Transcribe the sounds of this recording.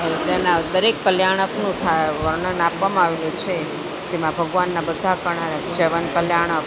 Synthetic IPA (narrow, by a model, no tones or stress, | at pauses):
elt̪enad̪əɾekːəljaɽ̃əknũt̪ʰajʋəɾɳənapʋamãaʋelũt͡ʃʰe | d͡ʒemãbʱəɡʋanːabəd̪ʱakəɳ̃aɾəd͡ʒəʋənkəljaɽ̃ək